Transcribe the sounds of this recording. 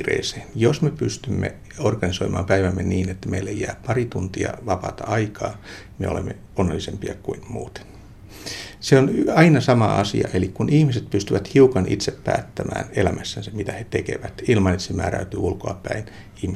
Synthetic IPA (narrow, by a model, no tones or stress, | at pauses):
rḛːseːnjosmepyst̪ymːḛ | orɡ̥ɑnisoimɑːmpæiʋæmːeniːnet̪ːæmeilːejːæːppɑrit̪unt̪iɑ̰ʋɑpɑ̰ːt̪ɑɑikɑː | mḛolemːe | onːelːisempiɑkuinmuːt̪e̥n | seonɑinɑsɑmɑɑsḭɑ̰ʔelikkunihmiset̪̚pyst̪yʋæt̪hiukɑnʔḭt̪seppæ̰ːt̪ːæmæ̰ːnelæmʔæsːænsemmit̪æhet̪ekḛʋæt̪ilmɑnet̪ːsemæːɾæyt̪yːulkoɑpæin | ihmi